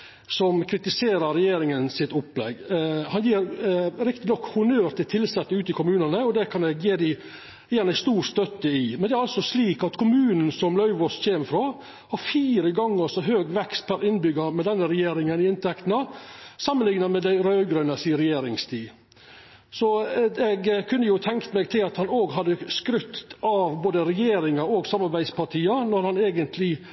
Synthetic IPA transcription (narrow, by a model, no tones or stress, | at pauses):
sɔmkʰɾɪt̪ɪseːɾɑɾɛjeːɾɪŋənsɪt̪ʊpːlɛ̰ɡhɑnjiːɾɾɪkt̪ɪnɔkːhʊnøːɾt̪ʰɪlt̪ʰɪlsɛt̪ːəʉːt̪ɪkʊmʉːnənəɔd̪ɛkʰɑnd̪ɛjeːd̪ɪ | jeːɑnæɪst̪uːɾst̪œt̪ːəɪmɛnd̪ɛæɾɑlsɔsliːkɑt̪kʰʊmʉːnn̩sɔmlœʉʋɔsçeːməfɾoː | hɑɾfiːɾəɡɑŋːəsɔɦøːɡʋɛkst̪̚pʰæɾɪnbʏɡɑmɛd̪ɛnːəɾɛjeːɾɪŋənɪɪnt̪ɛkt̪nəsɑmːənlɪŋnɑmɛd̪æɪɾœɡɾʉnəsiːəɾɛjeːɾɪŋst̪ʰiː | sɔɛɡkʰʉnːəjʊt̪ʰɛŋkt̪əmɛːɡ̚t̪ʰɪlɑt̪hɑnoːɡɦɑd̪əskɾʉt̪ɑʋboːd̪əɾɛjeːɾɪŋɑɾɔːɡsɑmɑɾbæɪspɑʈʰiːɑnɔɾhɑneːɡənt̪ʰlɪ